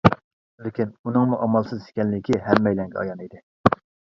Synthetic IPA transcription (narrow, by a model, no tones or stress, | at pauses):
lɪkʲinunɨŋmuʔɑmɑlˠsɨze̥kʲɛnlɪkʲʰiɦɛmːɛjlɛŋɡʲɛɑ̰jɑnid̪ɪ